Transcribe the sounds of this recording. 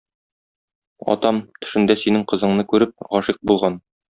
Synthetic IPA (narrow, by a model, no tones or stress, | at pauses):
ɒ̰t̪ɑmt̪ɵ̥̆ʃɘ̆nd̪æsinɘŋqɤ̆zɤ̆ɴnɤkʉɾɘp̚ʁɒʃiq̚bulˠʁɑn